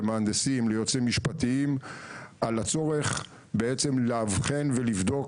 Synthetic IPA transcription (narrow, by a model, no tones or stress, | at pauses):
maand̪esimlejo̞t͡semiʃpat̪iimʔalat͡so̞ʁe̞χ | beet͡se̞mleavχe̞nvelivd̪o̞k